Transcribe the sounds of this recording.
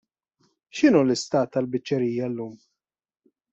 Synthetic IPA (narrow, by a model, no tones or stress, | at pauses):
ʃɪnuːlɪst̪ɐːt̪ːɐlbɪt͡ʃːɛɾijːɐlːuːm